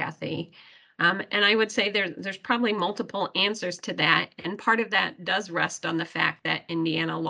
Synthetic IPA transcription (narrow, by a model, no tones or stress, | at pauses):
æ̰θḭ | ʔɨ̃ñaɪwɨd̥seɪðə˞ðə˞z̥pʰɹ̥ɑbəblimʌlˠtəpʰl̩ˠæ̃nsə˞z̥tʰɨðæɾɨ̃npʰɑɹɾʌvðɨt̚d̥ʌzɹɛstn̩ðɨfæ̰k̪̚ðɨ̰ɾɪ̃ndiæñəl